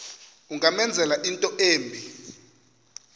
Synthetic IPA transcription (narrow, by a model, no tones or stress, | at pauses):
uŋamɛnd͡zʱɛlaʔintʼɔʔeːmbʱi